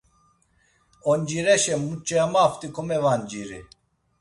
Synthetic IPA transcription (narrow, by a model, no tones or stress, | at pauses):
ond͡ʒiɾɛʃɛmut͡ʃʼɛamaft̪ikʰomevand͡ʒiɾḭ